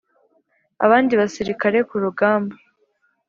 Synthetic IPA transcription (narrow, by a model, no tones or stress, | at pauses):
a̰βaːndiβasiɾikaɾe̞kuɾuɡaːmbo